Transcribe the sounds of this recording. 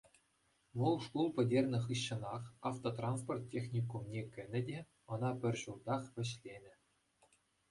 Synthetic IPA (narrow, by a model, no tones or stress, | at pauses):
ʋɤlˠʂkulˠpʲɘ̆dʲerʲnʲɘ̆χɯɕːɤ̆nɑχɑft̪ot̪rɑnsport̪ʲːexʲnʲikumnʲekʲɘ̆nʲɘ̆dʲe | ɤ̆nɑpʲɘ̆rʲʑuld̪ɑχʋʲɘ̆ɕlʲenʲɘ̆